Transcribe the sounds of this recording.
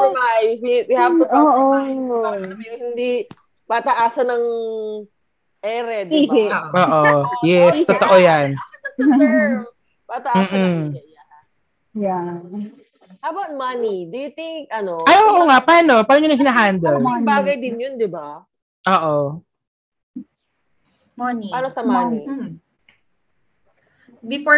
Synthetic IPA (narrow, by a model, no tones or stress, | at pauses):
omajhɪbɪhab̪aoːʔo | mjohɪnd̪i | pat̪ɐʔaːsɐnɐŋ | ʔɛɾɛd̪oːʔojɛst̪ot̪oʔojan | pat̪ɐʔam̩ːʔm̩ja | ja | ɐbawt̪̚mɐnid̪ʊjʊt̪ɪŋkʔɐnoajʔoʔoŋaʔpaːno̞paːnoɲonɐŋhɪnaːɦand̪ɛlbaːɡɐjd̪ɪnjond̪ɪba | ʔoːʔo | manpaːnosɐmani | bɪf